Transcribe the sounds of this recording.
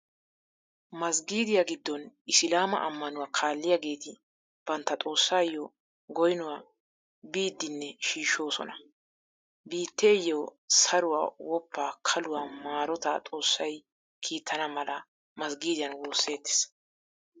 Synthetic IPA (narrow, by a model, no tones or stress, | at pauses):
mɐsɡiːd̪ɪjaɡɪd̪ːɔnɪsɪlaːmɐ̰ʔɐmːɐnʊwaːkʰaːlːɪjaɡe̞ːt̪ɪ | b̥ɐnt̪ːɐt̪ʼo̞ːsːaːjːɔ | ɡɔjnʊwaː | biːd̪ːɪnːɛʃiːʃo̞ːsɔ̰nɐ | biːt̪ːe̞ːjːosɐɾʊwa̰ːwɔpʰːaːkʰɐlʊwaːmaːɾɔt̪at̪ʼo̞ːsːɐj | kʰiːt̪ʰːɐnɐmɐlɐ | mɐsɡiːd̪ɪjɐnwoːsːe̞ːt̪ːe̥s